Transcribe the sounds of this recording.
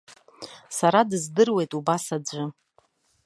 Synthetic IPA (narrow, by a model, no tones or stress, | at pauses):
saɾadɨzdɨrwe̞jtʼubasad͡ʒʷɨ